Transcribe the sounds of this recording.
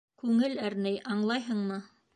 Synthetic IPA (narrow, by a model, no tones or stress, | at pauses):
kʉŋɘlæɾnæjʔɑɴlˠɑjɦɤɴmɤ